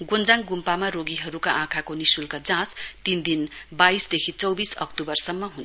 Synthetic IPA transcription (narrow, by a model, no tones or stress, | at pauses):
ɡond͡zaŋɡumpamaɾoɡiɦʌɾukaʔãkʰakonisulkad͡zãt͡st̪ind̪inbaisd̪ekʰit͡sʌwbisʌ̰k̚t̪ubʌrsʌmːʌɦun